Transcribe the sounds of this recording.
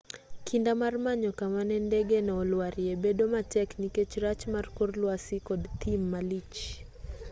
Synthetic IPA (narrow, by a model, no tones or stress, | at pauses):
kʰindamaɾmaɲɔkamanɛndɛɡɛnaɔlwaɾiɛbɛɗɔmatɛknikɛt͡ʃɾat͡ʃmaɾkɔɾlwasikɔdt̪ʰimːalit͡ʃ